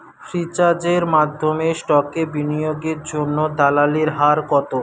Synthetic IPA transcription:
ʃɾit͡ɕad͡ʑeɾmad̪ʱːomesʈɔkebinijoɡeɾd͡ʑonːod̪alaliɾɦaɾkɔt̪o

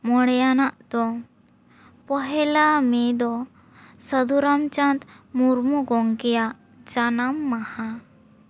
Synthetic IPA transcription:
mɔɽjanaʔd̪ɔ | pɔɦɛlamed̪ɔ | səd̪ʱuɾamt͡ɕãnt̪muɾmuɡɔŋkija | d͡ʒanamːaha

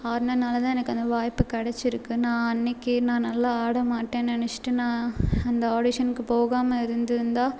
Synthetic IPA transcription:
aːɾnɐnaːlɐt̪ãːɛnɐkːɯɐnd̪ɐʋaːjpːɯkɐɽɛt͡ʃːɪɾɯkːɯnãːɐnːɪkːɯnãːnɐlːaaːɽɐmaːʈːẽːnɐnɛt͡ʃːɪ̥ʈːɯnãːɐnd̪ɐoːɽɪʂɐnkːɯpoːɣaːmɐɪɾɯnd̪ɯɾɯnd̪aː

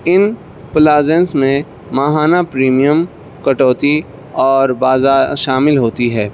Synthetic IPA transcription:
ɪn | plaːzẽnsmẽ | maɦaːnapɾiːmijəm | kɐʈɔːt̪i | ɔːɾbaːzaːɾʃaːmɪlɦoːt̪iɦɛː

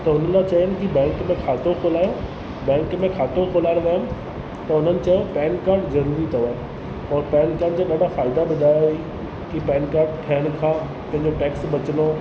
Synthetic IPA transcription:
t̪ɐʊnəlat͡ɕaiənɪ̆kibɛ̃ːŋkmẽkʰaːt̪okʰoːlaːjõ | bɛ̃ːŋkmẽkʰaːt̪okʰoːlaːɪɾoʋaːjʊm | t̪ɐʊn̤ənɪ̆t͡ɕɐjopɛːnkaːɾɖzɐɾuːɾit̪ʰɐʋaːe | ɔːɾpɛːnkaːɖd͡ʑaːɠɐɖʱafaːɪd̪abɪd̪ʱaːjɦi | kipɛːnkaːɾɖ̚ʈʰɐɦəɽ̃ɪkʰãː | pɐ̃ɦɪ̃ɲd͡ʑoʈɛːksɓɐt͡ɕənoː

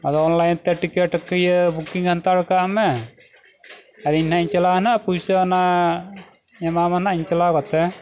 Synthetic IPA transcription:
ad̪ɔɔnlajnt̪ɛʈikɛʈkəjəbukiŋɡʰʱant̪aɽkaamɛ | aɾiɲhaiɲt͡ʃɛlanaʔpujsəna | jɛmamanaʔiɲt͡ʃɛlakɔt̪ɛ

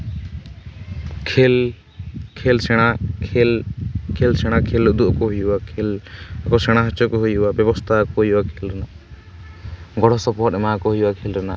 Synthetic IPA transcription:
kʰel | kʰelsɛɽ̃akʰelkʰelsɛɽ̃akʰeld̪uʔkɔɦujbakʰelkɔsɛɽ̃aɦɔt͡ʃɔkɔɦujubabjɔbɔst̪ʰakɔɦojbakʰelɾɛna | ɡɔɽɔsɔpɔɾʈɛmakɔɦujbakʰelɾɛna

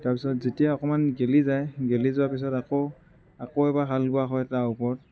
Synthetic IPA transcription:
taɹpi̥sɔtzetijaɔkɔmanɡelizajɡelizʊwapis̬ɔtako | akoɛbakʰalɡʊaxɔjɛtaupɔɹt̚

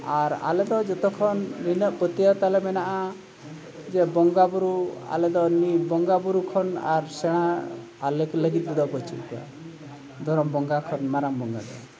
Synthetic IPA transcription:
aɾa̰led̪ɔd͡ʒɔt̪ɔkʰɔnɾinɔpət̪iat̪alemɛnaʔa | d͡ʒebɔŋɡabuɾua̰led̪ɔnibɔŋɡabuɾukʰɔna̰ɾseɽ̃aː | lekləɡit̪̚bud̪ɔpɔt͡ʃʰḭka̰ | d̪ʱɔɾɔmbɔŋɡakʰɔnmaɾambɔŋɡa̰d̪ɔ̰

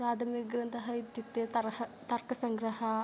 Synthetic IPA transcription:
ɾaːd̪ʱɐmiɡɾɐnt̪ɐɦɐid̪juk̚t̪eɐɐt̪ɐɾkɐsɐŋɡɾɐɦɐ

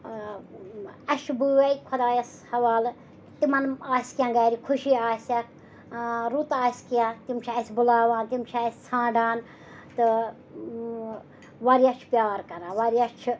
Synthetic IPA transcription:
ɐʃʰbuwejkʰɐd̪aːjɐs | hɐʋaːl | t̪imɐnaːsʲkʲjãːɡaːɾikʰuʃiːaːsʲɐk | ɾut̪aːsʲkijãːt̪imt͡ʃʰɐsʲbulaːʋaːnt̪imt͡ʃʰaːsʲt͡sʰãːɳɖaːn | t̪ɨ | ʋɐɾjat͡ʃʰpʲjaːɾkɐɾãːʋɐɾjat͡ʃʰ

